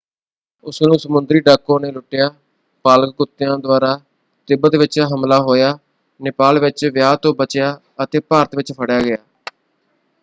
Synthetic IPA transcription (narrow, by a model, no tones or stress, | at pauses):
ʊsnũːsəmʊnd̪ɾiːɖaːkːõːneːlʊʈːɪjaː | paːlkkʊt̪ːɪjãːd̪ʊaːɾaː | t̪ɪbət̪ʋɪt͡ʃɦəmlaːɦoːjaː | nɪpaːlʋɪt͡ʃʋɪjaːt̪õːbət͡ʃɪjaː | ət̪eːpaːɾət̪ʋɪt͡ʃpʰəɽjaːɡɪjaː